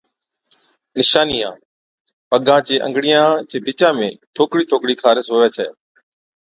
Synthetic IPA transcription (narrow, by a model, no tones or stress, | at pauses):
nɪʃaːniːã̰ː | pəɠãːt͡ʃeːʔə̰ŋɡɽijãːt͡ʃeːbʱɪt͡ʃãːmḛ̃ːt̪ʰoːkɽiːt̪ʰoːkɽiːkʰaːɾɪsɦoːʋeːt͡ʃʰɛ̰ː